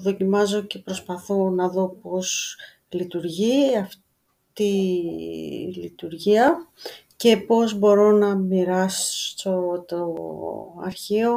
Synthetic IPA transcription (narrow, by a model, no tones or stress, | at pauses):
ðo̞cimɐzo̞ce̞pɾo̞spɐθo̞nɐðo̞po̞s | lit̪uɾʝiɐf | t̪i | lit̪uɾʝiɐce̞po̞zbo̞ɾo̞nɐmiɾɐst̪ot̪o | ɐ̰ɾçio̞